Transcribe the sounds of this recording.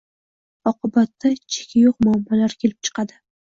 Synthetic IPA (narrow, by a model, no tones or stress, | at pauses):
ɒqʰʊbat̪ʰːat͡ʃʰe̥kʲʰɪjoq̚mʊːmːɒlaɾkʲʰelɪp̚t͡ʃʰɨ̥qɑd̪ɪ